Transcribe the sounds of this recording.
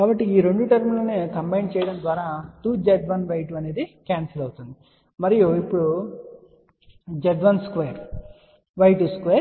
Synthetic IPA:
kaːbɐʈːiiːɾe̞ɳɖuʈɐɾmuloːneːkɐmbɐjɳɖt͡ʃɛːjɐɽɐnd̪ʋaːɾaːt̪uːd͡ʒeɖʋɐnʋɐjʈuɐne̞ːd̪ikaːnsɐlɐwut̪und̪i | mɐɾijuipːuɽu | d͡ʒeɖʋɐnskʋeːɾ | ʋɐjʈuskʋeːɾ

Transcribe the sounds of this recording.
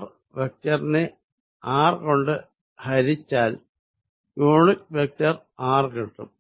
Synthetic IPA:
r | ʋek̚tɐrne | aːrko̞ɳɖɨ | hɐɾit͡ɕːaːl | joːɻɨʋek̚tɐraːrkiʈːṵm

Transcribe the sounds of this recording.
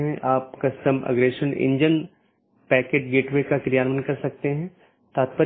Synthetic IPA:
ɦɛ̃ʔaːp̚kɐsʈəmɐ̰ɡɾeːʃənɪ̰̃ɲd͡ʒən | pɛːkeːʈ̚ɡeːʈʋekakɾijaːnʋənkɐɾsɐk̚t̪eɦɛ̃ | t̪aːt̪̚pə

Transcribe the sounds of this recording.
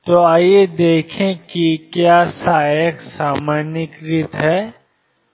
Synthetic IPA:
t̪oːaːjed̪eːkʰẽkikjaːsaːjəksaːmaːnɪkɾɪt̪ɦɛː

